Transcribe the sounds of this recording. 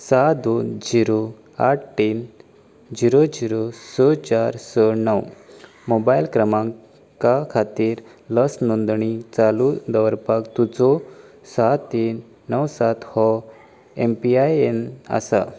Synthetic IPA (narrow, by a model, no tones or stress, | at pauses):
sad̪ond͡ziɾo | a̰ʈ̚ʰʈin | d͡ziɾod͡ziɾosɔt͡ɕaɾsənəw | mobailkɾəmãŋ | kakʰat̪iːɾ | ləsnond̪ɳit͡salud̪əʋəɾpakt̪ud͡zɔ | sat̪iːnː | əwsat̪hɔ | empiajena̰sa̰